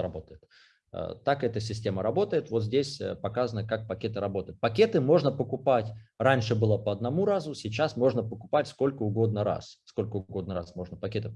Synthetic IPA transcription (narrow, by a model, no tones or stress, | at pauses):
ɾɐbo̞t̪əjɪt̪ | t̪akɛt̪əsʲɪsʲtʲe̞məɾɐbo̞t̪əjɪt̪vo̞t̪zʲdʲesʲpɐkazənəkak̚pɐkʲe̞t̪ɨɾɐbo̞t̪əjɪt̪̚pɐkʲe̞t̪ɨmo̞ʐnəpəkʊpatʲranʲʂɨbɨlˠəpəɐd̪nɐmuɾazʊsʲɪt͡ɕasmo̞ʐnəpəkʊpatʲsko̞lʲkəʊɡo̞d̪̚nəɾa̰ssko̞lʲkəʊɡo̞d̪nəɾa̰smo̞ʐnəpɐkʲe̞t̪ɨ